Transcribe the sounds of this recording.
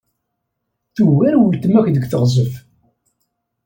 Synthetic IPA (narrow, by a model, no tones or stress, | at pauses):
θuwæɾwəlt̪əmækd̪əɡθəʁzˤəf